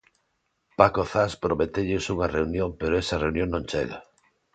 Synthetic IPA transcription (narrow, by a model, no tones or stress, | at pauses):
pakoθaspɾomet̪eʎɪsuŋɐreunjõŋpeɾoɛsɐreunjõŋnõŋt͡ʃḛɣa̰